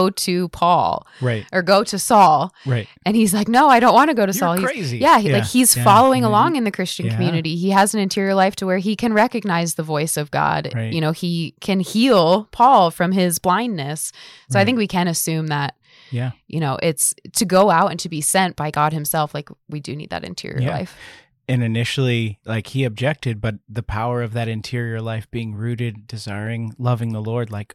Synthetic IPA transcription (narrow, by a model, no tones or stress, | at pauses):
ʊɾɨpʰɔ̰lˠ | ɹatʔə˞ɡoʊɾɨsɔlˠɹaɪ | ɨ̃nizlaɪk̚noʊaɪɾõʊ̃nʔwɑ̃nɨɡoʊɾɨsɔlˠhiɹeɪzijælaɪkhiz̥fɑlˠoʊɪ̃ŋəlɔ̃ŋɨ̃nðɨkʰɹ̥ɪst͡ʃɨ̃nkʰm̩jʉnɨɾiiɨz̃n̩ɨ̃ntʰɪɹiə˞laɪftʰəwə˞ikʰɨ̃nɹɛkɨɡ̚naɪzðəvɔɪsʌvɡɑ̰d̥jɨñoʊikʰɨ̃nhilˠpʰɔlˠfɹʌ̃mɪzblãɪ̃nːɨssoʊaɪθɪ̃ŋkwikʰɨ̃ɾ̃ɨsʉ̃mðət̚ | jæjʔɨñoʊʔɪtstʰɨɡoʊaʊɾɨ̰̃ntʰɨbisɛ̃nb̥aɪɡɑd̚hɨ̃msɛlˠflaɪkwidɨnḭd̪̚ðɨ̰ɾɨ̰̃ntʰɪ̰ɹḭə̰˞la̰ɪf | ɨ̃nɨnɪʃl̩ˠilaɪkhiɨb̚d͡ʒɛk̚tɨd̚bʌt̪̚ðɨpʰaʊə˞ʌvðɨɾɨ̃ntʰɪɹiə˞laɪfb̥iɪ̃ŋɹʉɾɨd̚ːɨzaɪɹɪ̃ŋlʌvɪ̃ŋðəlɔɹdˡlaɪk